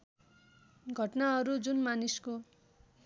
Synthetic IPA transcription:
ɡʱʌʈnaɦʌɾud͡zunmanisko

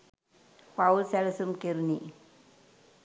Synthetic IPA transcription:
paulsɛləsumkeɾuni

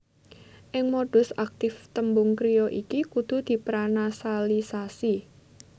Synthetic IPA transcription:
ʔɪŋmoɖ̥ʊ̤sak̚t̪ɪft̪əmbʊŋkɾijɔʔikikud̪̥ṳd̪̥i̤pɾanasalisasi

